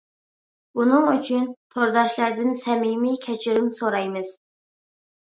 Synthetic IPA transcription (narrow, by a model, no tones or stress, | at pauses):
unɨŋyt͡ʃʰynt̪ʰoɾd̪ɑʃlˠæɾd̪ɪnsɛmimikʲʰɛt͡ʃʰiɾymsoɾɑjmɨz̥